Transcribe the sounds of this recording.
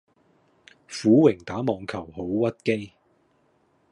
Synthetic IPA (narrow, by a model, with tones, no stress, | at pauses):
fuː˨˥wɪ˨˩ŋt̪aː˨˥mɔː˨ŋkʰɐ˨˩wɦo˨˥wwɐ˥t̚ke˥j